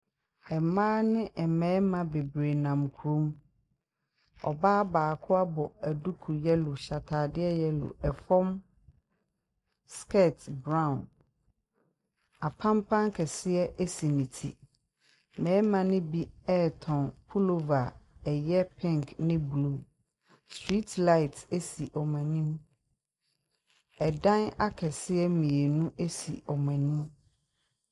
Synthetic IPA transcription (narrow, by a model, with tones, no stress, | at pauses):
ɛ˨mãː˦nɪ̃˦ʔɛ˨mɛ̃ː˦mã˨be˨bɾe˨nã˨mkʰu˨ɾõ˦m | ɔ̰˨baː˦baː˨kʰʊ˦a˦bɔ˨æ˨du˦kʰu˨jɛ˦lʊ˨ɕa˨tʰaː˨dɪ˦ɛ˦jɛ˦lʊ̰˨ʔɛ˨fɔ̃˦m | skɛ˦˨tbɾã˦˨n | a˨pʰã˦mpʰã˦ŋkʰɛ˨sɪ˦ɛ˦ʔe˦si˨nĩ˨tʰi˨ | mɛ̃ː˨˦mã˨nɪ̃˦bi˦ɛ˦tʰɔ̃˨npʰu˦lo˨va˨ɛ˨jɛ˦pʰɛ̃˦ŋkʰnɪ̃˦blu˦˨ | stʰɹi˦tla˦ɪ˨te˦si˨ʔɔ˨mɛ̃˨nĩ˦m | ɛ˨dã˦na˦kʰɛ˨sɪ˦ɛ˦mĩ˨e˨nũ˦ʔe˦si˨ɔ˨mɛ̃˨nĩ˦m